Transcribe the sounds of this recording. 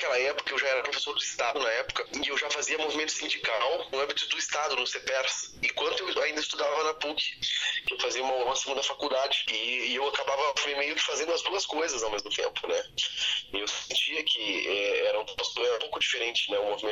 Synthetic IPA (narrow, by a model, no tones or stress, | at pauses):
kɛlɐɛpʊ̥kɐewʒaɛɾɐpɾofesoɾd̪ʊist̪ad̪ʊnɐɛpʊ̥kɐ̃ewʒafaziɐmovimẽnt̪ʊ̥sĩnd͡ʒikawʊ̃ɐ̃mbit̪ʊd̪ʊist̪ad̪ʊnʊsepɛɾsɪ̃kwɐ̃nt̪ʊewaĩnd̪ɐist̪ud̪avɐnapukɪ̥kɪewfaziɐũmɐɔ̃sɪ̃ɡũd̪ɐfakud̪ad͡ʒɪɪewakabavɐemejʊkɪ̥fazẽnd̪ʊɐsbowkɐskojzɐzawmezmʊt̪ḛ̃mpʊnɛ | ewsĩnt͡ʃiɐkʰɪɛɛɾɐũposɛɾɐũpowkʊd͡ʒifeɾẽnt͡ʃɪ̥nɛʊ̃movimẽ